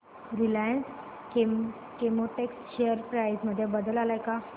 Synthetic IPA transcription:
ɾilajəns | kemoʈeksɕejəɾpɾajzməd̪ʱːjabəd̪əlalajka

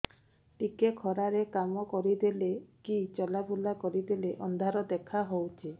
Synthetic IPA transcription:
ʈikekʰɔɾaɾekamɔkɔɾid̪elekit͡ʃɔlabʱulakɔɾid̪eleʔɔnd̪ʱaɾɔd̪ekʰaɦowt͡ʃʰi

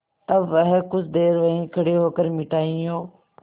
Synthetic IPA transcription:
t̪ɐbʋɐɦɛkʊd͡ʑʱd̪eːɾʋɐɦĩkʰɐɽeɦoːkəɾmɪʈaːĩoː

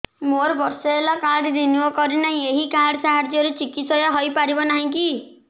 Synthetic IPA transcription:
moɾbɔɾsɔelakaɽɾinuɔkɔɾinaɦĩeɦikaɽsaɦaɾd͡ʒɔɾet͡ʃikit̪sɔjaɦɔjpaɾibɔnaɦĩki

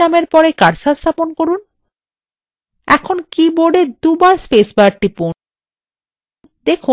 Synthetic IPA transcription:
ameɾpɔɾekaɾsast̪ʰaponkoɾun | ɛkʰonkiboɖed̪ubaɾspesbaaɖʈipo | d̪ekʰu

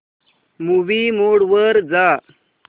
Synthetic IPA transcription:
muʋimoɽʋəɾd͡za

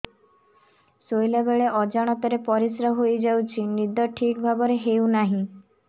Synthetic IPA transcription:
sojlabeɭeʔɔd͡ʒaɽ̃ɔt̪ɔɾepɔɾisɾaɦojd͡ʒawt͡ʃʰinid̪ɔʈʰikbʱabɔɾeɦewnaɦĩ

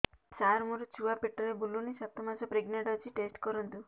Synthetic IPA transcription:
saɾmuɾut͡ʃʰuapeʈːɔɾebʱulːunisap̚t̪ɔmasɔpɾeɡnaʈɔt͡ʃiʈesʈkɔɾunt̪u

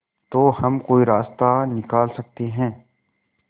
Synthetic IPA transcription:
t̪oːhɐmkoːiɾaːst̪anɪkaːlsɐk̚t̪eɦɛ̃ː

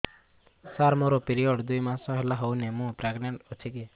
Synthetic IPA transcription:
saːɾmoɾopiɾioːɖd̪ujmãsəɦelaɦownemũːpɾeɡneɳʈot͡ʃʰike

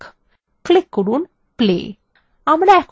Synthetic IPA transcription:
klɪkːəɽuːn | plḛ | ãmənɛk

